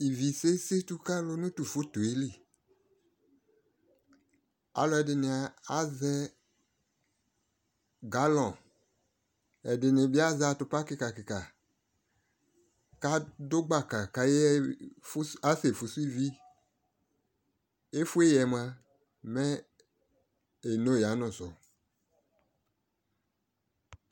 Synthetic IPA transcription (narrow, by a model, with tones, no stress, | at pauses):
i˨vi˨se˦se˦t̪u˦ka˦lo˦nũ˦t̪u˨fo˦t̪o˨e˦li˦˨ | a̰˨˦lɔ˨˦ɛ˨dɪ˨nɪ̃˨a˨a˦zɛ˦ | ɡa˦lɔ̃˨ | ɛ˨dɪ˨nɪ̃˨bi˦a˦za˨t̪ʊ˨pa˦kɪ˦ka˨kɪ˨ka˨ | ka˦do˦ɡ͡ba˦ka˨ka˨je˦ | a˦se˨fu˨su˦i˦vi˦ | e˦fu˦e˦jɛ˨m˦ã˦ | mɛ˦ | e˨no˦˨ja˨˦nʊ̃˨sɔ˨